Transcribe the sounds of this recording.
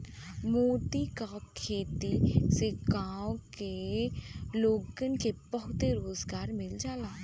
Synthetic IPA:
moːt̪ikakʰeːt̪iseɡaːwke | loːɡənkebəɦʊt̪eɾoːzɡaːɾmɪld͡ʒaːlaː

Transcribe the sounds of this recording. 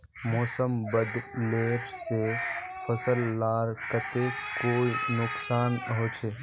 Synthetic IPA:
mɔːsəmbəd̪leːɾse | pʰəsəlːaːɾkət̪ekoːinʊksaːnɦoːt͡ʃʰeː

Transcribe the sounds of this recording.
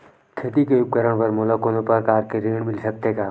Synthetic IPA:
kʰeːt̪ikejʊk̚kəɾəɽ̃pɐɾmʊləkonõpəɾkaːɾkeɾeːɳmɪlsɐk̚t̪ekaː

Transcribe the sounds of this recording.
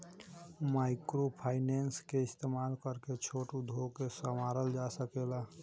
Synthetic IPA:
maɪkɾopʰaːɪnenskeɪst̪emaːlkəɾket͡ʃʰoʈud̪ʱokesəmaɾəld͡ʒasəkela

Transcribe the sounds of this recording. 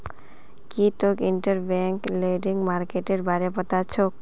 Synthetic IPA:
kitokiɳʈəɾbɛŋkleɖiŋmaɾkeʈeɾbaɾepət̪at͡ɕʰok̚

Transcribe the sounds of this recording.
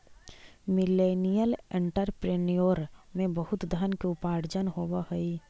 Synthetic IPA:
mɪleːnijəlẽɳʈəɾpɾeːnijoːɾmẽbəɦʊt̪d̪ʱənkeʊpaːɽd͡ʒənɦowahoi

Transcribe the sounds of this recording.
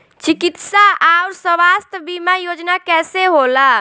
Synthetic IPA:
t͡ʃikit̪saaʊɾsəbast̪ʰbimajod͡ʒnakɛseɦola

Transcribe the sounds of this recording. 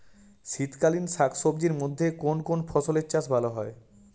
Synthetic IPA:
ʃit̪kalinsakʰʃob̚d͡ʑiɾmod̪ʱːekonkonfʰɔsoleɾt͡ɕaʃbʱaloɦɔe

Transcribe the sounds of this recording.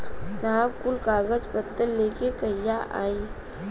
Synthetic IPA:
saːbkʊlkaːɡəd͡ʒpət̪ːəlleːkekəjaʔa̰ːiː

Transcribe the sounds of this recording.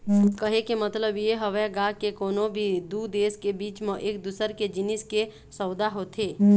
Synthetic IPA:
kəɦekemət̪ləbjeɦəʋɛɡãkekoːnobʱid̪ud̪eːskebiːt͡ʃmẽʔeːk̚d̪ʊsəɾked͡ʒɪnɪske | səʊd̪aɦot̪ʰeː

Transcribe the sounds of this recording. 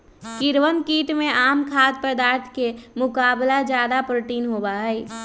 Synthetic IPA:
kɪɾwənkiːʈmẽʔaːmkʰaːd̪̚pəd̪aːɾt̪ʰkemʊkaːblad͡ʒjaːd̪apɾoːʈiːnɦobaɦɛɪ

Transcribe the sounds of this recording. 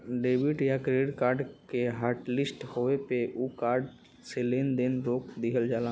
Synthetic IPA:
ɖeːbɪʈjakɾeːɽkaːɾɖkeɦaːɾʈlɪsʈhoepeʔuːkaːɾɖ | seleːnd̪enɾoːk̚d̪ɪɦəld͡ʒaːlãː

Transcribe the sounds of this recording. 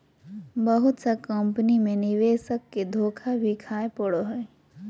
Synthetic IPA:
bəɦʊt̪sakə̃mpnimẽnɪʋeːsəkːed̪ʱoːkʰabʱikʰaːepəɽoɦoe

